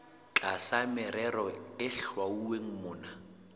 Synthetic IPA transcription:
t͡ɬʼasamɪɾɛrɔɪɬwauweŋ̩mʊːna

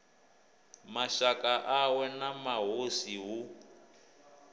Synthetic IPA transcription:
maʃakaʔawɛnamaɦosiɦu

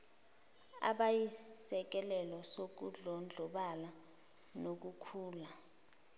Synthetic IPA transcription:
a̰ɓajisɛk̬ɛlɛlɔsok̬uɮɔnd͡ɮʱɔɓala | nok̬ukʰuːla

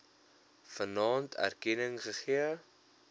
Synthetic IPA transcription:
fənɑːntʰæ̰rkɛnəŋχəχiə

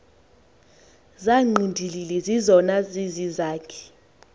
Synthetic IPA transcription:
zaŋ͡ǃʱindʱililɛzizɔnazizizaːkʰɛ̥

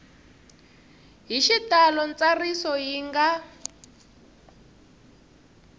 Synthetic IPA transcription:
ɦiʃitalɔnt͡sarisɔjiŋɡa

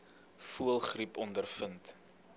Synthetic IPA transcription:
fuəlˠχripɔndərfənt

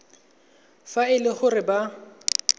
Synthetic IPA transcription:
faɪlɪχʊrɪba

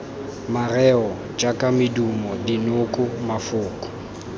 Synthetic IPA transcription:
marɛɔ | t͡ʃʼakʼamɪdumɔdinʊkʼʊmafʊːkʼɔ̥

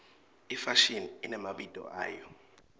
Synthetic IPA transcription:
ifaʃiniinɛmaɓid̥ʱʼɔ̰ʔa̰ːjɔ

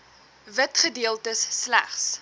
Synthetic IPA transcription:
vətχədiəlˠtəsːlæ̰χs

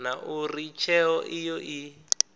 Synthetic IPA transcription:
naʔurit͡ʃʰɛɔʔijɔʔi

